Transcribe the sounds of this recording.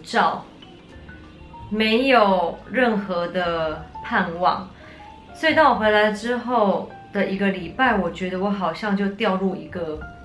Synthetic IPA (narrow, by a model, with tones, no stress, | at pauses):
ʈ͡ʂɑ˥˩ʊ | me˧˦ɪjo˨˩ʊɻə˥˩nxɤ˧˦d̪ə˧pʰa˥˧nwɑ̰˥˩ŋ | swɔ˧˥i˨˩t̪ɑ˥˩ŋwɔ˨˩xwe˧˥ɪla˧˥ɪʈ͡ʂɻ̩˥xo˥˩ʊ | d̪̥ə˨i˧˥ɡə˧li˨˩pa˥˩ɪwɔ˨˩t͡ɕɥɛ˧˥d̪ə˨wɔ˧˥xɑ˨˩ʊɕjɑ˥˧ŋt͡ɕjo˥˧ʊt̪jɑ˥˧ʊɻu˥˩i˧˥ɡə˧